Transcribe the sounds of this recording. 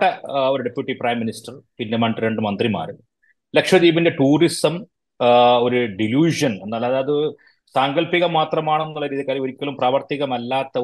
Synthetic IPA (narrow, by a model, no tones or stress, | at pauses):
ʈːɐo̞ɾuɖepjuʈːiprɐːjmːinisʈɐrpindemɐɳɖɾe̞ɳɖɨmɐnd̪rima̰ːru | lekʂɐðiːbinde̞ʈuːrisɐm | o̞ɾuɖiljuːʂɐne̞nːaːlɐðaːɐðɨ | saːŋɡɐlpiɣɐmːaːt̪rɐmaːɳenːuɭːɐɾiːðijɐkːaːlioɾikʲːɐlumpraːʋɐrt̪iɣɐmɐlːaːt̪ːɐ